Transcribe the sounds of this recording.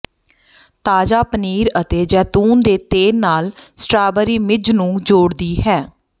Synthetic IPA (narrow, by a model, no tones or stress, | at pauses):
t̪aːd͡ʒaːpəniːɾət̪eːd͡ʒɛːt̪uːnd̪eːt̪eːnnaːlsʈɾaːbəɾiːmɪd͡ʒnũːd͡ʒoːɽd̪iːɦɛː